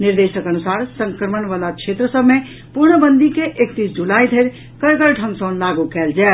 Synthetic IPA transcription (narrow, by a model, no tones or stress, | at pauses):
niɾd̪esəkənusaɾsəŋkɾəməɳʋalakʃʰet̪ɾəsəbʱme | puɾɳəbənd̪ʱikeʔek̚t̪isd͡ʒulaid̪ʱəɪɾ | kəɾɡəɾʈʰə̃ŋɡsənlaɡukɛld͡ʒɛ